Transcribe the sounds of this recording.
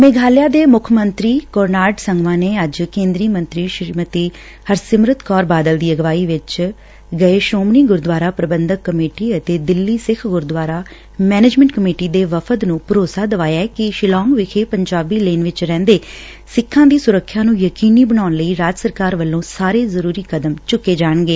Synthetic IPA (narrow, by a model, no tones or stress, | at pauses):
meːɡʱaːljaːd̪eːmʊkʰmənt̪ɾiːkɔːɾnaːɖsəŋɡʋãːneːəd͡ʒkẽːnd̪ɾiːmə̃nt̪ɾiːʃmət̪iː | həɾsɪmɾət̪kɔːɾbaːd̪əld̪iːəɡʋaːiːʋɪt͡ʃ | ɡəeːʃoːmniːɡʊɾd̪ʋaːɾaːpɾəbənd̪əkːəmeːʈiːət̪eːd̪ɪlːiːsɪkʰɡʊɾd̪ʋaːɾaː | mɛːneːd͡ʒmɛ̃ːɳʈkəmeːʈiːd̪eːʋəpʰət̪nũːpəɾoːsaːd̪əʋaːjakɪʃɪlɔ̃ːŋɡʋɪkʰeːpəɲd͡ʒaːbiːleːnʋɪt͡ʃɾɛ̃ːnd̪eː | sɪkʰːãːd̪iːsʊɾəkʰːjãːnũːjəkiːniːbəɽaːʊnləiːɾaːd͡ʒəsəɾkaːɾʋəlːõːsaːɾeːzəɾuːɾiːkəd̪əmt͡ʃʊkːeːd͡ʒaːɳɡeː